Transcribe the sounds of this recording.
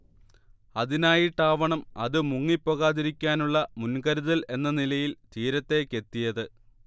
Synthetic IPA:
ɐðinaːjiʈ̪aːʋɐɳɐmɐ̰ðɨmuŋːipːoɣaːðiɾikʲːaːnuɭːɐmunkɐɾuðɐle̞nːɐnilɐjilt̪iːɾɐt̪ːe̞ke̞t̪ːijɐðɨ

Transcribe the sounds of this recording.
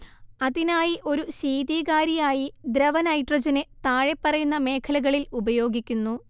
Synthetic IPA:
ɐðinaːjiʔo̞ɾuɕiːðiːɣaːɾijaːjid̪ɾɐʋɐnɐjʈrɐd͡ʑɐnet̪aːɻe̞pːɐrɐjunːɐme̞ːkʰɐlɐɣɐɭilubɐjo̞ːɡikʲːunːu

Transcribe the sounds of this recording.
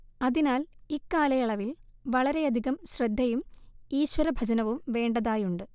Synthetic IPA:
ɐðinaːlikːaːlɐjɐɭɐʋilʋɐɭɐɾe̞ɐd̪ʱiɣɐmɕrɐd̪ʱːɐjumiːɕwɐɾɐbʱɐd͡ʑɐnɐʋumʋe̞ːɳɖɐðaːjuɳɖɨ

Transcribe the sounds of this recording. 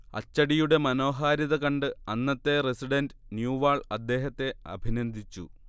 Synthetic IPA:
ɐ̰t͡ɕːɐɽijuɽe̞mɐno̞ːɦaːɾɐðɐkɐɳɖɨɐnːɐt̪ːe̞resiɖɐndɨnjuːʋaːɭɐd̪ːe̞ːɦɐt̪ːe̞ɐ̰bʱinɐnd̪ʱit͡ɕːṵ

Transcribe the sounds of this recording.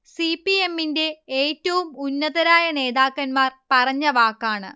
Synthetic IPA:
sipːie̞mːinde̞eːtːɐʋumunːɐðɐɾaːjɐne̞ːðaːkːɐnmaːrpɐrɐɲːɐʋaːkːaːɳɨ̰

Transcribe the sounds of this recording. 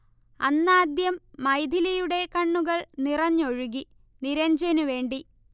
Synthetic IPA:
ɐnːaːd̪jɐmːɐjd̪ʱilɐjuɽe̞kɐɳːuɣɐɭnirɐɲːo̞ɻuɣi | niɾɐɲd͡ʑɐnuʋe̞ːɳɖi

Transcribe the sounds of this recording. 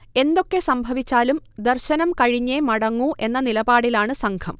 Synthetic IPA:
e̞nd̪o̞kːesɐmbʱɐʋit͡ɕːaːlumd̪ɐrɕɐnɐmkɐɻiɲːeːmɐɽɐŋːuʔe̞nːɐnilɐbaːɽilaːɳɨsɐŋɡʰɐm

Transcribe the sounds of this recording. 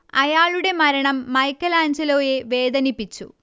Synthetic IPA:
ɐjaːɭuɽe̞mɐɾɐɳɐmːɐjkːɐlaːɲd͡ʑɐlo̞ːje̞ʋe̞ːd̪ɐnipːit͡ɕːṵ

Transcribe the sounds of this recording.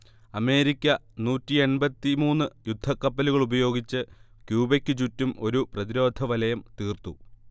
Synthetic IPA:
ɐme̞ːɾikʲːɐnuːtːie̞nbɐt̪ːimuːnːɨjud̪ʱːɐkːɐpːɐluɣɐɭubɐjo̞ːɡit͡ɕːɨ | kjuːbekʲːɨt͡ɕutːumo̞ɾuprɐðiɾo̞ːd̪ʱɐʋɐlɐjɐmt̪iːrt̪u

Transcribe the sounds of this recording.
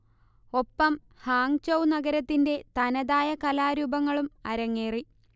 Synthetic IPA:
o̞pːɐm | haːŋt͡ɕɐwnɐɡɐɾɐt̪ːinde̞t̪ɐnɐðaːjɐkɐlaːɾubɐŋːɐɭumɐɾɐŋːeːri

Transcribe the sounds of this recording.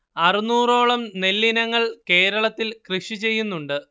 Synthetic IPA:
ɐrinuːro̞ːɭɐmne̞lːinɐŋːɐɭke̞ːɾɐɭɐt̪ːilkrɨʂit͡ɕe̞jːunːuɳɖɨ

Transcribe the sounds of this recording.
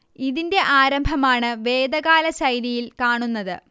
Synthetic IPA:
iðinde̞ʔaːɾɐmbʱɐmaːɳɨʋe̞ːd̪ɐɣaːlɐɕɐjɾijilkaːɳunːɐðɨ̰

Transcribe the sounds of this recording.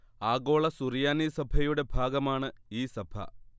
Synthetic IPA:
aːɡo̞ːɭɐsurijaːnisɐbʱɐjuɽe̞bʱaːɡɐmaːɳɨiːsɐb̥ʱɐ̰

